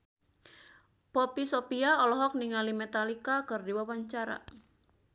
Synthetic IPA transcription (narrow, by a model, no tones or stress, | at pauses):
pɔpisopiaɔlɔɦɔk̚niŋalimet̪alikakɨrdiwawaɲt͡ʃaɾa̰